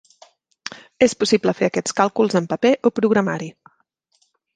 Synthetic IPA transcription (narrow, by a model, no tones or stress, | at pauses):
espusipləfeəkɛt͡skalˠkulˠzəmpəpeʔopɾuɣɾəmaɾi